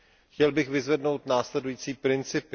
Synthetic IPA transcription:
xcɛlbɪxvɪzvɛdno̞wt̪naːslɛdujiːt͡siːpɾɪnt͡sɪpɪ

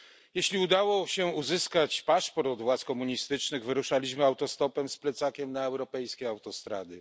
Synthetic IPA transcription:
jeɕlʲiud̪awɔɕɛuzɘskat͡ɕpaʂpɔɾt̪ɔd̪vwat̪skɔmuɲist̪ɘt͡ʂnɘɣvɘɾuʂalʲiɕmɘawt̪ɔst̪ɔpɛmsplɛt̪sakʲɛmnaɛwɾɔpɛjskʲɛawt̪ɔst̪ɾa̰d̪ɘ

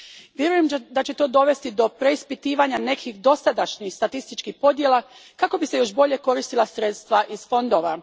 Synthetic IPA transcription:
ʋjeɾujemd̪at͡ɕe̞t̪o̞ːd̪o̞ʋe̞st̪id̪o̞pɾe̞ispit̪iːʋaɲane̞kʰixd̪o̞sad̪aʃɲixst̪at̪ist̪it͡ʃkixpo̞d̪je̞lˠakako̞bise̞jo̞ʃbo̞ʎe̞ko̞ɾist̪ilasɾet̪st̪ʋaʔiz̥fo̞nd̪o̞ʋa

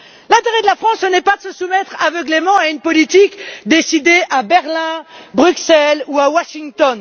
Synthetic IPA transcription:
lɛ̃t̪eʁed̪əlafχɑ̃sənɛpad̪əsəsumɛt̪χavəɡlemɑ̃aynpɔlit̪ikd̪esid̪eʔabɛʁlɛ̃bʁyksɛluawaʃiŋt̪ɔn

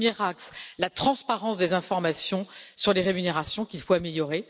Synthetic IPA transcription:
mjɛʁakslat̪χɑ̃spaʁɑ̃sd̪ezɛ̃fɔʁmasjɔ̃syʁleʁemyneʁasjɔ̃kʲilfoameljɔʁe

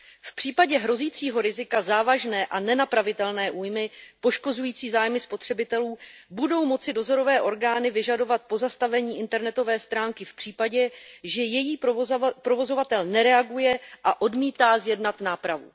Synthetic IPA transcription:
fpr̝̥iːpaɟɛɦɾo̞ziːt͡siːɦo̞ɾɪzɪkazaːvaʒnɛːʔanɛnapɾavɪt̪ɛlnɛːʔuːjmɪpo̞ʃko̞zujiːt͡siːzaːjmɪspo̞t̪r̥ɛbɪt̪ɛluːbudo̞wmo̞t͡sɪdo̞zo̞ɾo̞vɛːʔo̞ɾɡaːnɪvɪʒado̞vat̪̚po̞zast̪avɛɲiːʔɪnt̪ɛɾnɛt̪o̞vɛːst̪ɾaːŋkɪfpr̝̥iːpaɟɛʒɛjɛjiːpɾo̞vo̞zo̞vat̪ɛlnɛɾɛaɡujɛʔaʔo̞dmiːt̪aːzjɛdnat̪naːpɾavṵ

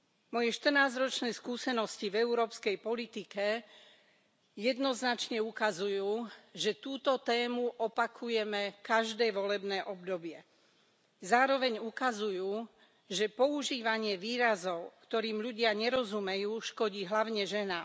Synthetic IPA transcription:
mɔjɛʃt̪r̩naːzɾɔt͡ʃnɛːskuːsɛnɔscivɛuɾɔːpskɛjpɔlit̪ikɛ | jɛd̪nɔznat͡ʃɲɛukazujuːʒɛt̪uːt̪ɔt̪ɛːmuʔɔpakʰujɛmɛkaʒd̪ɛːʋɔlɛbnɛːʔɔbd̪ɔbɪɛ | zaːɾɔʋɛɲukazujuː | ʒɛpɔuʒiːʋaɲɪɛʋiːɾazɔʊkt̪ɔɾiːmʎuɟɪaɲɛɾɔzumɛjuːʃkɔɟiːɦlaʊɲɛʒɛna

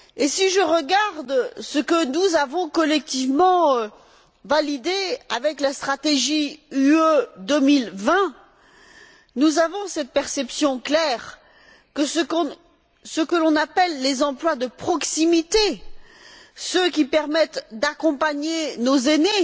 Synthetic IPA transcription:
esiʒəʁəɡaʁd̪səkənuzavɔ̃kɔlɛk̚t̪ivmɑ̃ | valid̪eavɛklast̪χat̪eʒiyød̪əmilvɛ̃ | nuzavɔ̃sɛt̪̚pɛʁsɛpsjɔ̃klɛːʁ | kəsəkɔ̃ | səkəlɔ̃napɛlːezɑ̃plwad̪əpχɔksimit̪e | səkʲipɛʁmɛt̪d̪akɔ̃paɲenozene

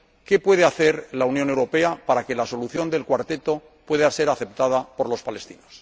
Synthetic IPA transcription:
ke̞pwe̞ð̞eaθeɾlaunjo̞ne̞wɾo̞pe̞apaɾake̞laso̞luθjo̞nd̪e̞lkwaɾt̪e̞t̪o̞ | pwe̞ðase̞ɾaθe̞pt̪aðapo̞ɾlo̞spale̞st̪ino̞s

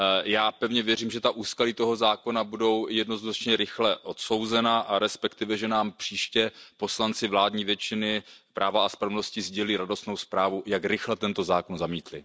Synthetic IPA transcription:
jaːpɛvɲɛvjɛriːmʒɛt̪aʔuːskaliːt̪o̞ɦo̞zaːko̞nabudo̞wjɛdno̞znat͡ʃɲɛɾɪxlɛʔo̞t̪so̞wzɛnaʔaɾɛspɛkt̪ɪvɛʒɛnaːmpr̥iːʃcɛpo̞slant͡sɪvlaːdɲiːvjɛt͡ʃɪnɪpɾʔaːvaaspɾavno̞scɪzɟɛliːɾado̞st̪no̞wspɾaːvujakɾɪxlɛt̪ɛnt̪o̞zaːkonzamiːt̪lɪ̰

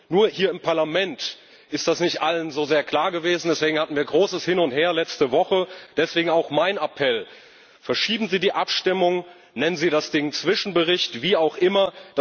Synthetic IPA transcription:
nuːɐhiːɐɪmpʰaɐlamɛnt | ʔɪstd̥asnɪçtʔalənzoːzeːɐkʰl̥aːɐɡəveːzn̩dɛsveːɡŋ̩hatn̩viːɐɡʁoːsəshɪnʊntheːɐlɛt͡stəvɔχəd̥ɛsv̥eːɡŋ̩aʊxmaɪnapʰɛl | fɛɐʃiːbm̩ziːdiːʔapʃtɪmʊŋ | nɛnənziːɾdasd̥ɪŋt͡sv̥ɪʃn̩bəʁɪçtv̥iːaʊxʔɪmɐd̥a

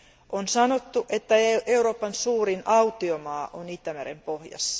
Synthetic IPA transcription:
ʔonsɑno̞t̪ːuʔet̪ːæeeuɾoːpɑnsuːrinʔɑut̪iomɑːʔonit̪ːæmæɾḛmpohjɑ̰sːɑ̥

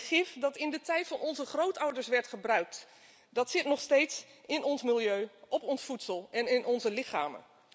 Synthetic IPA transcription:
χɪfdɑtɪndətɛjtfɑnɔnzəχrowtʌwdəɹsʋɛɹtχəbrœɥk̚t | dɑtsɪtnɔχstejtsɪnɔnsmɪlˠjøɥʔɔpɔnsfutsəlˠɛnɪnʔɔnzəlɪχa̰ːmə̰n

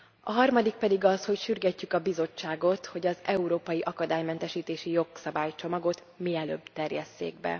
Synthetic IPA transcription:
ɒɦɒrmɒd̪ik̚pɛd̪iɡɒsho̞cʃyrɡɛcːykɒbizo̞t͡ʃːaːɡo̞t̪ho̞ɟɒzɛuɾoːpɒjiʔɒkɒd̪aːjmɛnt̪ɛʃiːt̪eːʃijo̞ksɒbaːjt͡ʃo̞mɒɡo̞t̪ | miɛlø̰ːbt̪ɛrjɛsːḛːɡbɛ̰

